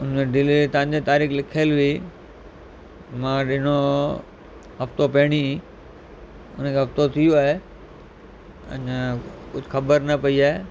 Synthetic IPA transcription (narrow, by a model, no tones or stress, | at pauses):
ʊn̤meɖɪlt̪ɐ̃ʋɪ̃ɲ̆d͡ʑet̪aːɾiːxlɪkʰəlʋi | mãːɗɪno | ɦɐft̪opɐɦɪɽ̃i | ʊ̰nkʰeɦɐft̪ot̪ʰijoaːɦe | ɐ̰̃ɲkʊd͡ʑʱxɐbəɾnɐpɐiaːɦe